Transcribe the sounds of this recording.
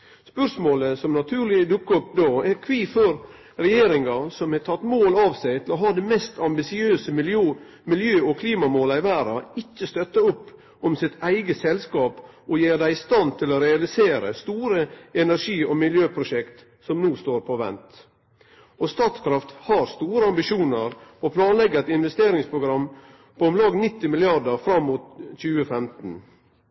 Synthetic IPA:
spœʂmoːləsɔmnɑt̪ʰʉːɾɭɪd̪ʊkːəɔpd̪oːæɾkʰʋiːfɔɾ | ɾɛjeːɾɪŋɑsɔmhɛt̪ʰɑt̪ːmoːlɑʋsæɪt̪ʰɪlɔɦɑːd̪ɛmɛst̪ʰɑmbɪsɪøːsəmɪlː | mɪljøːɔkʰliːmɑmoːlɑɪʋæːɾɑ̰ɪcːəst̪œt̪ːəʊpː | ɔmsɪt̪ʰæɪɡəsɛlskɑːp | ɔjeːd̪æɪɪst̪ɑnt̪ʰɪloɾɛɑlɪseːɾə̰st̪uːɾəɛnæɾʂiːɔmɪljøːpʰɾʊʂɛkt̪ | sɔmnuːst̪oːɾpʰɔʋɛ̰nt̪ | ɔst̪ɑːt̪skʰɾɑft̪hɑɾst̪uːɾəɑmbɪʃuːnəɾɔpʰlɑːnlɛɡəɛt̪ɪnʋɛst̪eːɾɪŋspʰɾʊɡɾɑm | pʰɔɔmlɑːɡnɪt̪ːɪmɪlɪjɑdəɾfɾɑmːuːt̪c͡çʉːəfɛmt̪n̩

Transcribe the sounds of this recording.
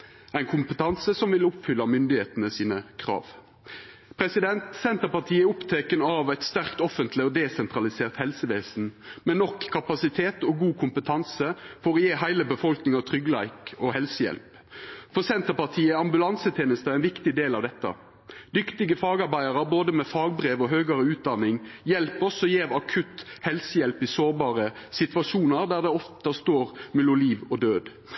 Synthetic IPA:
æɪnkʰʊmpət̪ʰɑnsəsɔmʋɪlʊpfʏlːɑmʏnd̪ɪheːt̪ənəsiːnəkʰʁɑ̰ːʋ | pʰɾɛsɪd̪ɛnt̪sɛnt̪əpɑʁt̪ʰiːəʊpt̪ʰeːkənɑʋæɪt̪st̪æʁkt̪ɔfənt̪ʰlɪɔd̪ɛsɛnt̪ʁɑlɪseːʁt̪hɛlsəʋeːsn̩mɛnɔkʰːɑpɑsɪt̪ʰeːt̪oːɡuːkʰʊmpət̪ʰɑnsəfɔʁɔːjeːɦæɪləbəfɔlknɪŋɑt̪ʰʁʏɡlæɪkohɛlsəjɛ̰lp | fɔʁsɛnt̪əʁpɑʁt̪ʰiːəɑmbʉlɑnsət̪ʰeːnəst̪əæɛɪnʋɪkt̪ɪd̪eːlɑʋd̪ɛt̪ːə̰ | d̪ʏkt̪ɪɡəfɑːɡɑɾbæɪəʁəboːd̪əmɛfɑːɡ̚bɾeːʋɔɦøːɡəɾəʉːt̪̚d̪ɑnɪŋjɛlpɔsɔjeːʋɑkʰʉt̪hɛlsəjɛlpɪsoːʁbɑːʁəsɪt̪ʋɑʂuːnəɾd̪æʁd̪ɛɔft̪ɑst̪oːʁmɛlʊliːʋɔd̪øːd̪

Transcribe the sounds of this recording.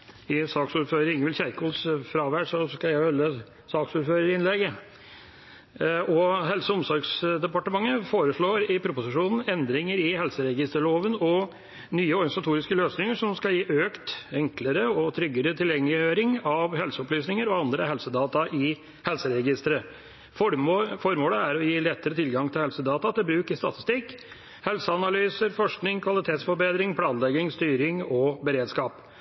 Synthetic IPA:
ɪsɑːksuːɾføːɾəɾɪŋəlçæɪkʊlsfɾɑːʋæɖʂɔskɑjæɪhœlːə | sɑːksuːɾføːɾəɾɪnlɛɡə | ɔɦɛlsəɔmsɔɾɡsd̪ɛpɑʈəmɑŋːəfoːɾəʂɭoːɾɪpʰɾʊpʊsɪʂuːnn̩ɛnd̪ɾɪŋəɾɪhɛlsəɾɛɡɪst̪əɭoːʋənɔ | nyːəɔɾɡɑnɪsɑt̪ʰuːɾɪskəløːsnɪŋəʂɔmskɑljiːʔøːkt̪ɛŋkləɾəɔt̪ʰɾʏɡːəɾət̪ʰɪljɛŋlɪjøːɾɪŋɑʋhɛlsəɔplyːsnɪŋəɾɔɑnd̪ɾəɦɛlsəd̪ɑːt̪ɑʔɪ | hɛlsəɾɛɡɪst̪əɾə | ffɔɾmoːləæɾɔjiːlɛt̪ːəɾət̪ʰɪlɡɑŋt̪ʰɪlhɛlsəd̪ɑːt̪ɑt̪ɪlbɾʉːkəst̪ɑt̪ɪ̥st̪ɪkː | hɛlsəɑnɑlyːsəɾfɔʂknɪŋkʰʋɑlɪt̪ʰeːt̪sfɔɾbeːd̪ɾɪŋpʰlɑːnlɛɡɪŋst̪yːɾɪŋɔbəɾeːd̪skɑːp

